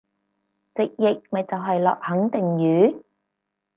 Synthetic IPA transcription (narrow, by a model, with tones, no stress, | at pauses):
t͡sɪ˨k̚jɪ˨k̚mɐ˨jt͡sɐ˨wɦɐ˨jlɔ̰ː˨k̚hɐ˨˥ŋt̪ɪ˨ŋjyː˨˥